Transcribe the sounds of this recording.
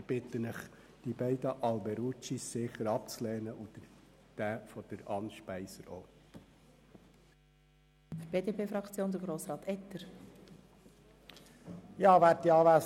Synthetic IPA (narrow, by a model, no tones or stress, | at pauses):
ɪb̥ɪt̪ənəχ | d̥ibɛɪd̪əʔɑlbɛɾut͡ʃisːɪχəɾɑp̚t͡slɛːnəʔud̪̥ə | d̥æfɔd̥əɾɑnʃpæɪsəɾoː | fɾb̥eːd̪epeːfɾɑkt͡sjoːnd̪əɾɡɾoːsɾɑːt̪ɛt̪əɾ | jɑːʋæːɾt̪iɑːʋæːs